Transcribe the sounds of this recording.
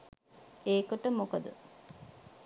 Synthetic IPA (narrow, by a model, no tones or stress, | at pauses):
eːkoʈəmokəd̪ə̰